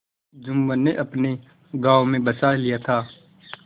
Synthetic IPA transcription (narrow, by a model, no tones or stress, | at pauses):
d͡ʒʊmwəneʔɐpne | ɡaːʋomẽbɐsaːlijat̪ʰaː